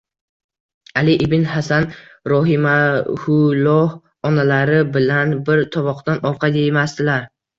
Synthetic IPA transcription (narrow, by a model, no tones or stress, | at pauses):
alɪʔɪbɪnhasanɾɒɦɪmahʊlɒh | ɒnalaɾɪbɪlanbɪɾt̪ʰɒvɒqt̪anɒɾqʰɑd̪ejmast̪ɪlaɾ